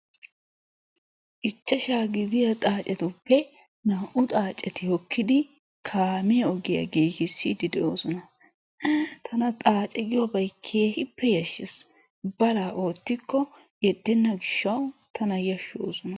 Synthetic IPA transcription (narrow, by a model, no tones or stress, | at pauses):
ʔɪt͡ʃːɐʃaːɡɪd̪ɪjɐt̪ʼaːt͡ʃʼɛt̪ʊpːɛ | naːʔʊt̪ʼaːt͡ʃʼɛt̪ɪhɔkːɪd̪ɪ | kʰaːmɪjɐɔɡɪjɐ̰ɡeːkɪsːid̪ɪd̪ɛoːsɔnɐ | t̪ʰɐnɐt̪ʼaːt͡ʃʼɛɡɪjɔbɐjkʰːeːhɪpːɛjɐʃːɪs | bɐlaːʔo̞ːt̪ːɪkːɔ | jɛd̪ːɛnːɐɡɪʃːɐwt̪ʰɐnɐjɐʃːo̰ːsɔnɐ